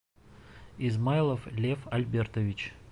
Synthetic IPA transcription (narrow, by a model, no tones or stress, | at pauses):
ɪzmajlˠəflʲefɐlʲbʲert̪əvʲɪt͡ɕ